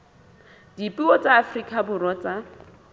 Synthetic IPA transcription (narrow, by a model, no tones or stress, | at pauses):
d̥ipʼiɔt͡sʼaːfrikʼabʊrɔt͡sʼa